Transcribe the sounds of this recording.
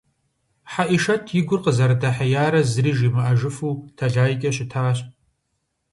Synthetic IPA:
ħaʔiʂɐtʰjɪɡʷʊrqəzɐɾdaħajaːɾɐzriːʒimɨʔɐʒɨfuːtʰɐɮaːjkʲʼɐɕɪtʰaːɕʼ

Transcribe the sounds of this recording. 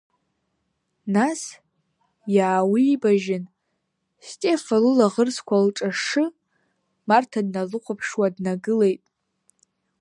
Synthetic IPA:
nas | jaːwiːbaʒɪn | stʼe̞falulaʁərskʷalʈ͡ʂʼaʂɨ | martʰadnalɨqʷʰapʰʂwadnaɡɨle̞jtʼ

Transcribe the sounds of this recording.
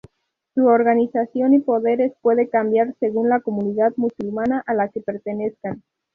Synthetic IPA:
suoɾɣanisasjo̞nipo̞ðe̞ɾe̞spwe̞ðe̞kambjaɾse̞ɣ̞unlako̞muniðaðmusulmanaʔalake̞pe̞ɾt̪e̞ne̞skan

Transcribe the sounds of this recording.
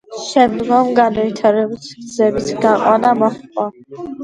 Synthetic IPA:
ʃɛmd̪ɡɔmɡanavit̪ʰaɾɛbusɡd̪zɛbisɡaqʼwanamɔχqʼa

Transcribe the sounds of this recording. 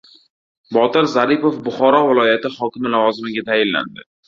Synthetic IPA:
bɒt̪ɪɾzaɾipofbʊχɒɾɒvɪlˠɒjat̪ɪhɒkʲɪmɪlavɒzɪmɪɡʲat̪ʰajɪlːa̰nd̪ɪ

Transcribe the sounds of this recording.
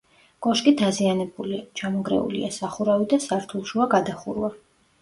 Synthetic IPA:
ɡ̥ɔʃkʼid̪azianɛbulit͡ʃʰamɔɡɾɛ̰ṵlḭasaχuɾavid̪asaɾt̪ʰulˠʃuaɡad̪aχuɾwa

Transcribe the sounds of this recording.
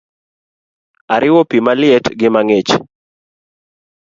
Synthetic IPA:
aɾʔɪwopimalɪɛtɡɪmaŋet͡ʃ

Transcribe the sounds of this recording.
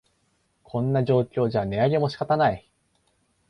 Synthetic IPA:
kʰõ̞nːaʑo̞ːkʲo̞ːd͡ʑane̞aɡe̞mo̞ɕi̥kat̪anai

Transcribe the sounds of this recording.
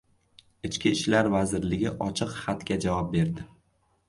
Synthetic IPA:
ɪt͡ʃkʲʰiɪʃlaɾvazɪɾlɪɡʲɪʔɒt͡ʃʰɪqχat̪kʲad͡ʒavɒp̚be̞ɾd̪ɪ

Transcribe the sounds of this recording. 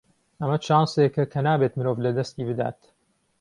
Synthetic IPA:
ʔɐmɐt͡ʃaːnsekɐkʰɐnaːbet̪mɨɾoːvlɐd̪ɐst̪iːbɨd̪a̰ːt̪

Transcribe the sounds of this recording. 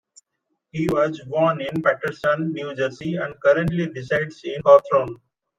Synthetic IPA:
hiːʋɔzʋɔːnɪ̃npæʈəɾsə̃nːjuːd͡ʒəɾsiɛ̃ɳɖkʌɾə̃ɳʈliɖɪsaɪɖsĩnkɔːt̪ʰɾõːn

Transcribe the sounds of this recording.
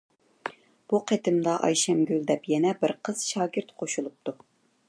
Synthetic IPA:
b̥uqʰet̪ʰɪmd̪ɑʔɑ̰jʃɛmɡʲyld̪ɛpjɛnɛbɪɾqʰəz̥ʃɑːɡʲɪɾt̪qʰoʃulˠup̚t̪ʰu

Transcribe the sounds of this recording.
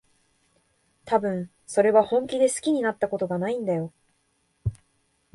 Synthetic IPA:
t̪abɯ̟̃ɰ̃ | so̞ɾe̞βahõ̞ŋkʲid̪e̞sɨ̥kʲiɲ̟inat̪ːako̞t̪o̞ɡanaĩnd̪ajo̞

